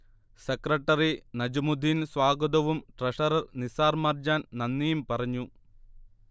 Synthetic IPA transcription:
sekrɐʈːɐrinɐd͡ʑɐmud̪ʱinsʋaːɡɐd̪ɐʋumʈreʂɐɾɐrnisaːrmaːrd͡ʑaːnnɐnːijumpɐrɐɲːu

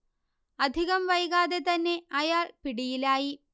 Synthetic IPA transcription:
ɐd̪ʱiɣɐmʋɐjɣaːðe̞t̪ɐnːe̞ɐjaːɭpiɽijilaːji

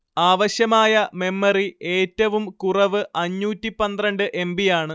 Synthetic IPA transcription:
aːʋɐɕjɐmaːjɐme̞mːɐrie̞ːtːɐʋumkurɐʋɨʔɐɲːuːtːipːɐnd̪rɐɳɖɨʔe̞mbijaːɳɨ

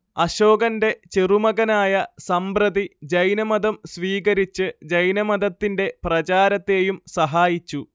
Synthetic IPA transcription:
ɐɕo̞ːɡɐnde̞t͡ɕerumɐɣɐnaːjɐsɐmbrɐd̪id͡ʑɐjnɐmɐd̪ɐmsʋiːɡɐɾit͡ɕːɨd͡ʑɐjnɐmɐd̪ɐt̪ːinde̞prɐt͡ɕaːɾɐt̪ːe̞ːjumsɐɦaːjit͡ɕːu

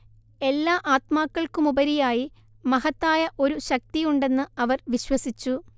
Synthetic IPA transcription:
e̞lːaːʔaːt̪maːkːɐɭkumubɐɾijaːji | mɐɦɐt̪ːaːjɐʔo̞ɾuɕɐk̚t̪ijuɳɖe̞nːɨɐʋɐrʋiɕwɐsit͡ɕːu

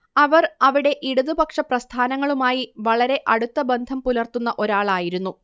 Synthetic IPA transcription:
ɐʋɐrɐʋiɽe̞ʔiɽuðubɐkʂɐprɐst̪ʰaːnɐŋːɐɭumaːjiʋɐɭɐɾe̞ʔɐɽut̪ːɐbend̪ʱɐmpulɐrt̪unːɐʔo̞ɾaːɭaːjiɾunːu

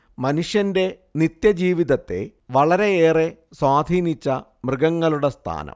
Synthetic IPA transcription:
mɐnuʂjɐnde̞ | nit̪jɐd͡ʑiːʋiðɐt̪ːe̞̰ʋɐɭɐɾe̞eːreswaːd̪ʱiːnit͡ɕːɐmrɨɡɐŋːɐɭuɽest̪ʰa̰ːnɐ̰m

